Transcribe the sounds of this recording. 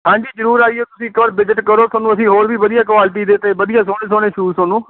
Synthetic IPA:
ɦãːɲd͡ʒiːzəɾuːɾaːieːt̪ʊsĩːkəəɾbɪd͡ʒəʈkəɾoːsoːnũːəsĩːɦoːɾʋiːʋəd̪ɪjaːkʋaːlɪʈ̬iːd̪eːt̪eːʋəd̪ɪjaːsoːɽ̃eːsoːɽ̃eːʃuːsoːnũː

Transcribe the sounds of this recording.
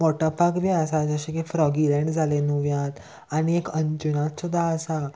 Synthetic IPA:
mɔʈəpakbiəsad͡zəɕĩkefɾɔɡilɛ̃ɳɖd͡zʱalenuʋjãt̪ | aɽ̃iekəɲt͡ɕunat̪sud̪ʱːaəsa

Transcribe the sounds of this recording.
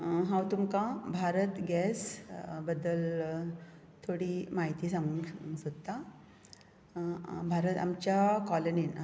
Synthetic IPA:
ɦãwt̪umkãbʱaɾət̪ɡɛsbəd̪ːəl | t̪ʰoɽimaɦit̪iːsãŋɡɡsud̪t̪a | bʱaɾət̪a̰mt͡ɕjakɔlənin

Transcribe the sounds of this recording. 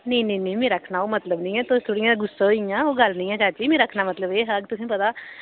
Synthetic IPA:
nẽːnẽːnĩːmẽːɾəkʰnaːoːmət̪ləbnĩːɛːt̪ost̪ʰʊɽijãːɡʊsːaojãːoːɡəlnĩːɛːt͡ʃaːt͡ʃiːmẽːɾəkʰnaːmət̪ləbeːɦəɡt̪ʊsĩːpət̪aː

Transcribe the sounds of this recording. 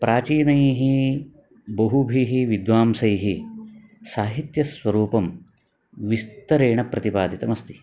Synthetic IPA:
pɾʔaːt͡ʃiːnɐjiɦi | bɐɦubʱiɦiʋid̪ʋaːmsɐjɦi | saːɦit̪jɐsʋɐɾuːpɐm | ʋist̪ɐɾeːɳɐpɾɐt̪ipaːd̪ʱit̪ɐmɐst̪i̥

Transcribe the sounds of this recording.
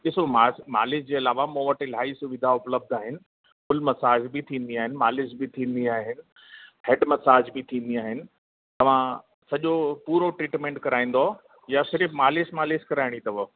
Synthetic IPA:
ɗɪsomaːsma̰ːlɪsd͡ʑeːɐlaːʋamõʋɐʈɪlɦaːisʊʋɪd̪ʱaʊpləb̚d̪ʱaːɦɪnɪ̆ | kʊlmɐsaːd͡ʑbɪt̪ʰĩːnd̪iaːɦɪnɪ̆maːlɪs̬bɪt̪ʰĩːn̆d̪iaːɦɪnɪ̆ | hɛɖmɐsaːd͡ʑbɪt̪ʰĩːn̆d̪iaːɦɪnɪ̆ | t̪ɐʋ̤ã | sɐʄopuːɾoʈɾiːʈmẽːɳʈkɐɾaːĩːn̆d̪o | jasɪɾɪfmaːlɪsmaːlɪskɐɾaːɪɽ̃it̪ɐʋo

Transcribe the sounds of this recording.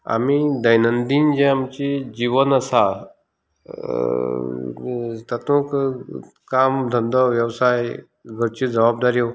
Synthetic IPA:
a̰mid̪əjnənd̪iːnd͡ʑɛ̃amt͡ɕid͡ʑiʋənəsa | t̪at̪ũk | kamd̪ʱənd̪əʋjəʋsaj | ɡʱəɾt͡ɕid͡zəʋab̚d̪aɾio

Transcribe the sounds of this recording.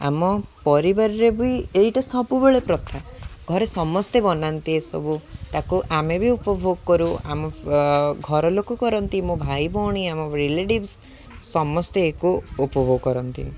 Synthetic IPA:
a̰mɔpɔɾibaɾɔɾebuiejʈɔsɔbubeɭepɾɔt̪ʰaɡʱɔɾesɔmɔst̪ebɔnant̪iesɔ̰but̪akuʔamebiupɔbʱoɡkɔɾuamɔ | ɡʱɔɾɔlokɔkɔɾɔnt̪imũbʱajbʱɔɽ̃iamɔɾeleʈibsː | ɔmɔst̪eːkuupɔbʱoɡkɔɾɔnt̪ḭ

